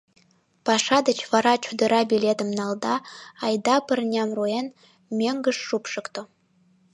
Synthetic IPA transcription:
pɑʃɑd̪ət͡ɕvɑɾɑt͡ɕud̪ɤ̆ɾɑbʲilʲet̪ə̆mnɑlˠd̪ɑɑjd̪ɑpɨ̆rnʲɑmruen | mʲeŋɡə̆ʂːupʃɨ̆kt̪ŏ

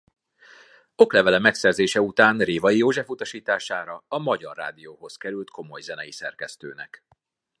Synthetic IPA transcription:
o̞klɛvɛlɛmɛksɛrzeːʃɛut̪aːnreːvɒjijoːʒɛfut̪ɒʃiːt̪aːʃaːɾɒɒmɒɟɒ̰rːa̰ːd̪ijoːɦo̞skɛɾylt̪kʰo̞mo̞jzɛnɛjisɛrkɛst̪ø̰ːnɛ̰k

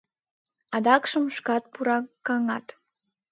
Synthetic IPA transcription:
ɑd̪ɑkʃəmʃkɑt̪̚puɾɑkɑŋɑt̪

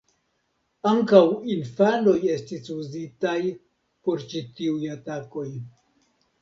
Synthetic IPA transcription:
aŋkawinfano̞je̞stisuzitaj | po̞ɾt͡ʃitiujatako̞j

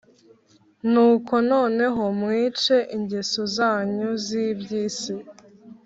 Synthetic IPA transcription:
nuːko̞no̞ːne̞ɦo̞mŋiːt͡ʃe̞ʔiɲɟesozaːɲuziːbɟiːse

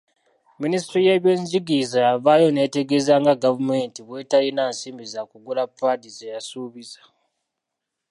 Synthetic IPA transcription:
ministɾijeβjeɲd͡ʒiɡizajavajo̞neːteɡe̞zaŋɡaɡavume̞ːntiβwe̞ːtajinaːnsiːmbizakuɡulapːatizejasuːβizḁ

